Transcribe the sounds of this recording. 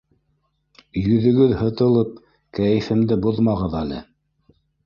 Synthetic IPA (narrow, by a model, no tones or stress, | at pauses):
jɵ̆ðɘ̆ɡɵðhɤ̆t̪ɤ̆lˠɤp̚ | kæjɘ̆fɘ̆md̪ɘbuðmɑʁɤðælɘ̰